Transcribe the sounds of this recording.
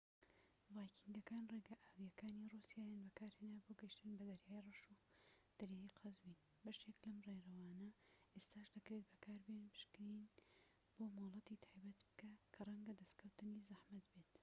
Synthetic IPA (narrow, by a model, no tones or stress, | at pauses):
vɑːjkʰind̪ɐkaːnreːɡɐʔaːwijɐkʰaːnirusijaːjaːnbɐkaːɾheːnaːboːɡɐjiʃt̪ɨnbɐd̪ɐɾjaːjirˤɑʃud̪̥ɐɾjaːjiqʰɐzwiːn | bɐʃeklɐmreɾɐwaːnɐʔest̪aːʃd̪ɐkɾeːt̪̚bɐkʰaːɾbenpɨ̥ʃkɨɾin | b̥oːmalˠɑt̪iːt̪ʰaːjbɐt̪bɨ̥kakʰɐrˤɐŋɡɐd̪ɐst̪kʰɐwt̪ɨnizɐhmɐt̪bet̪